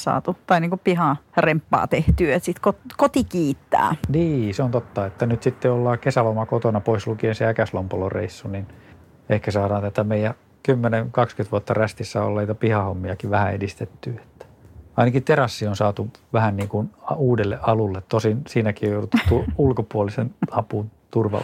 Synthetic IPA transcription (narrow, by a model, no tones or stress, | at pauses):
sɑ̰ːt̪ut̪ɑiniːkupihɑrempːɑ̰ːt̪eht̪yːet̪sit̪kot̪kot̪ikiːt̪ːæ̰ːniːseont̪ot̪ːɑet̪ːænyt̪sit̪ːeolːɑːkesælomɑkot̪onɑpoislukienseækæslompolorḛisːunin | ehkæsɑːdɑːnt̪æt̪æmeijæ | kymːeneŋkɑkskyt̪ʋuɑt̪ːɑræst̪isːæo̰lːɑniːt̪æpihɑhomːiɑkiʋʋæhæedist̪et̪ːyːe̥t̪ːæ̥ɑinɑkit̪erɑsːionsɑːt̪uʋæhænniːŋkunɑuːdelːḛʔʔɑlulːet̪tosinsiːnækiojouut̪utt̪uulkopuolisenɑpun | t̪urʋɑ̰